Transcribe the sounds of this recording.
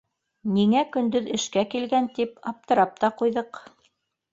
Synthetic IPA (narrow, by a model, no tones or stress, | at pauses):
niŋækɵ̆nd̪ɵðɘ̆ʃkækilɡænt̪ipɑp̚t̪ɤ̆ɾɑp̚t̪ɑqujðɤq